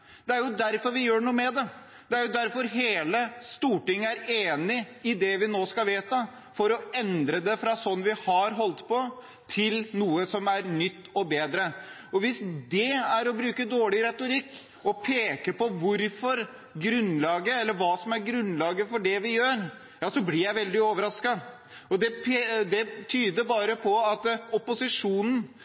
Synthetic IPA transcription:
d̪ɛæɾjʊd̪æɾfɔɾʋɪjøːɳuːəmɛd̪ɛ | d̪̥ɛæɾjʊd̪æɾfɔɾɦeːləst̪uːʈɪŋːəæɾeːnɪɪd̪ɛʋɪnoːskɑlʋeːt̪ə | fɔɾɔɛnd̪ɾəd̪ɛfɾɑsɔnːʋɪhɑɾɦɔlt̪pɔ | t̪ʰɪlnuːəsɔmæɾnʏt̪ːɔbeːd̪ɾə | ɔʋɪsd̪ɛæɾɔbɾʉːkəd̪oːɭɪɾɛt̪ʊɾɪkː | ɔpʰeːkəpɔʋʊɾfɔɾ | ɡɾʉnːlɑːɡəɛlːəɾʋɑːsɔmæɾɡɾʉnlɑːɡəfɔɖɛʋɪjøːɾ | jɑːsɔblɪɾjæɪʋɛld̪ɪoːʋəɾɑskɑ | ɔd̪ɛpʰːd̪ɛt̪ʰyːd̪əɾbɑːɾəpʰɔɑt̪ɔpʊsɪʂuːnn̩

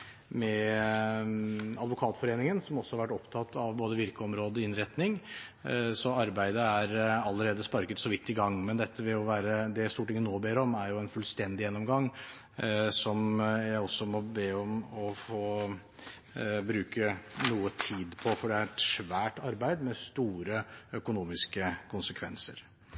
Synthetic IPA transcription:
mɛ | ɑd̪ʋʊkʰɑːt̪fɔɾeːnɪŋənsɔmɔsːɔhɑɾʋæʈːɔpt̪ʰɑt̪ːɑʋboːd̪əʋɪɾkəɔmɾoːd̪əɪnɾɛt̪nɪŋ | sɔɑɾbæɪd̪əæɾɑlːəɾeːd̪əspɑɾkət̪sɔʋɪt̪ːɪɡɑŋːmɛnd̪ɛt̪ʰːəʋɪlɔʋæːɾəd̪ɛjæst̪uːʈɪŋːənoːbeːɾɔmæɾjʊɛnfʉlst̪ɛnd̪ɪjɛnːɔmɡɑŋ | sɔmjæɪɔsːɔmɔbeːɔmɔfoː | bɾʉːkənuːət̪ʰiːd̪pʰɔfɔɖɛæɾɛt̪ʂʋæːʈɑɾbæɪd̪mɛst̪uːɾəœkʊnuːmɪskəkʰʊnsəkʰʋɛnsə̰ɾ

